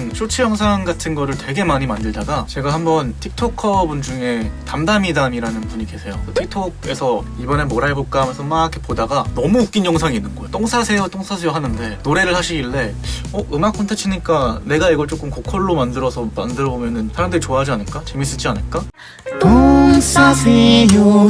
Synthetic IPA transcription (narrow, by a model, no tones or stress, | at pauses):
nɕʰot͡ɕʰijʌŋsʰaŋɡatʰɯnɡʌɾɯɭtwe̞ɡe̞maɲimandɯɭdaɡat͡ɕe̞ɡahambʌntʰik̚tʰokʰʌbund͡ʑuŋe̞tamdamidamiɾanɯnpuɲike̞sʰe̞jot͈otʰik̚tʰoɡ̚e̞sʰʌ | ibʌne̞moɾaɭbok͈aɦamjʌnsʰʌmakʰepodaɡanʌmuːk͈injʌŋsʰaŋinːɯnɡʌjot͈oŋsʰasʰe̞jot͈oŋsʰas̬ʰe̞joɦanɯnde̞noɾe̞ɾɯɭhaɕʰiɡiɭːe̞ʌʔɯmak͈ʰʌntʰet͡ɕʰiɲik͈ane̞ɡaiɡʌɭt͡ɕ͈ok͈ʰɯmkokʰʌɭːomandɯɾʌsʰʌma̰ndɯɾʌbomjʌnɯnsʰaɾamdɯɾit͡ɕoaɦad͡ʑianɯɭk͈at͡ɕe̞mis͈ɯd͡ʑianɯɭk͈a | tosa